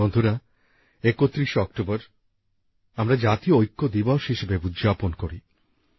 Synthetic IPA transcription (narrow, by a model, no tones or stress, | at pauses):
ond̪ʱuɾa | ekot̪ːɾiʃɔk̚ʈobɔɾ | amɾad͡ʑat̪ioojkːod̪ibɔʃɦiʃebeud̪d͡ʑaponkoɾi